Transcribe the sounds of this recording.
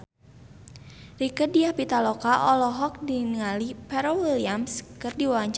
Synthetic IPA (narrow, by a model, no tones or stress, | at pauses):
rikədiahpit̪alɔkaʔɔlɔɦɔk̚dinŋalipɛɾɔwiliamskɨrdiwaaɲt͡ʃ